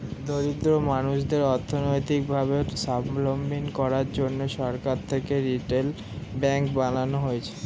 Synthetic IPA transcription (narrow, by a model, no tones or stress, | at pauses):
d̪oɾid̪ɾomanuʃd̪eɾɔɾt̪ʰonojt̪ik̚bʱabesablombinkɔɾaɾd͡ʑonːoʃɔɾkaɾt̪ʰekeɾiʈel | bɛŋkbalanoɦoet͡ɕʰe̥